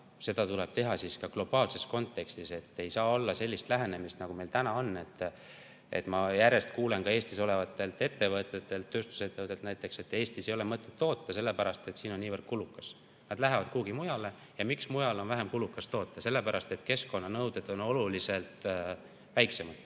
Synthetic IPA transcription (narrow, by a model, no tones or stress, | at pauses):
se̞d̪̥ɑt̪uleb̥t̪e̞ɦɑsiskɑɡ̥lo̞b̥ɑːlse̞sko̞nt̪ːˑe̞kst̪ise̞t̪ːe̞jsɑːo̞lːɑse̞lʲːist̪læɦe̞ne̞mist̪nɑɡ̥ume̞lt̪ænɑo̞nːe̞t̪ː | e̞̰t̪ːˑmɑjæɾe̞st̪kuːlenkɑe̞ːst̪iso̞le̞vɑt̪ːˑe̞lt̪e̞t̪ːe̞vɤt̪ːˑet̪ːˑe̞lt̪ːø̞ːst̪u̥se̞t̪ːevɤt̪ːˑet̪næjt̪ːˑe̞kse̞t̪ːˑe̞ːst̪isejo̞lemɤt̪ːˑe̞t̪ːo̞ːt̪ːɑse̞lːe̞pæɾɑst̪et̪siːno̞nːiːvərd̪̥kulukːˑɑs | nɑd̪̥læɦevɑd̪̥kuːɡimujɑle̞ | jɑmiksmujɑlo̞nvæɦemkulukːˑɑst̪o̞ːt̪ˑːɑse̞lːepæɾɑst̪e̞t̪ke̞sko̞nːɑnɤwd̪̥e̞d̪̥o̞no̞lulise̞lt̪ | væjksemɑt̪